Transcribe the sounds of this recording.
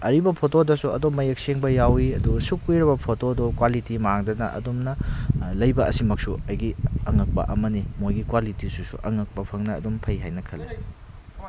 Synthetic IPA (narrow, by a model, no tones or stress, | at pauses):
ɐɾibɐpʰotodɐsuɐ̰domːɐjek̚seŋbɐjawiɐdusukjɾɐbɐpʰotodokwalitimaŋdɐnɐ̰ʔɐ̰domnɐlɐjbɐʔɐsimɐk̚suɐjɡiɐŋɐk̚pɐ̰ʔɐmɐnimojɡikwalitisusṵʔɐŋɐk̚pɐpʰɐŋnɐ̰ːdompʰɐjɦajnɐkʰɐle